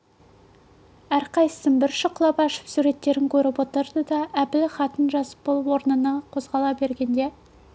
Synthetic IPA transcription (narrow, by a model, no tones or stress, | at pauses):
æɾqɑjsə̥səmbɪɾʃəqlˠɑpɑʃə̥psuɾe̞t̪ːe̞ɾɪŋkʲʰɵɾɪpwot̪əɾd̪əd̪ɑʔæpɪlχɑt̪ənʒɑsə̥p̚bolˠəpwo̞ɾnənɑqʰo̞zʁɑlˠɑbe̞ɾɡʲe̞nd̪e̞